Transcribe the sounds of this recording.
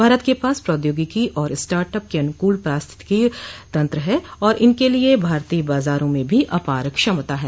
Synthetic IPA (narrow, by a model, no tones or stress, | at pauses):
bʱaːɾət̪kepaːspɾɔːd̪joːɡikiʔɔːɾɪsʈaːɾʈəp̚keɐnʊkuːlpɾaːst̪ʰɪ̥t̪kit̪ɐ̃nt̪ɾəɦɛːɔːɾʔɪnkeliebʱaːɾt̪ibaːzaːɾõmẽbʱiʔɐpaːɾəkʃɐmt̪aɦɛː